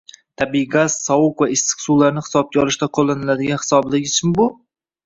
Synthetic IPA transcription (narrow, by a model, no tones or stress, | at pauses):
t̪ʰabiɡaz̥sɒwʊkvaɪst̪ɨ̥qsulaɾnɪhɪ̥sɒb̚kʲaɒlˠɪʃt̪aqʰolˠːanɪlad̪ɪɡʲanhɪ̥sɒblɪɡʲɪt͡ʃʰmɪbʊ